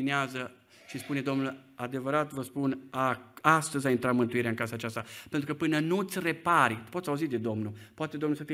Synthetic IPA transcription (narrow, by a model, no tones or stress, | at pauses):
ineazə | ʃispune̞d̪o̞mnul | ad̪e̞vəɾat̪vəspunaast̪əzʲaint̪ɾat̪mɨnt̪uiɾeaɨŋkasaːt͡ʃast̪apent̪ɾukəpɨnənut̪sʲre̞paɾʲt̪po̞t̪sʲauzit̪d̪e̞d̪o̞mnupoat̪ed̪omnulsəfi